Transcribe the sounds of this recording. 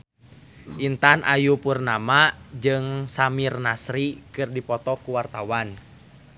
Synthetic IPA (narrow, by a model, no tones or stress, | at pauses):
ʔint̪anʔajupurnamad͡ʒɨŋsamirnasɾikɨrdipɔt̪ɔkuwart̪awan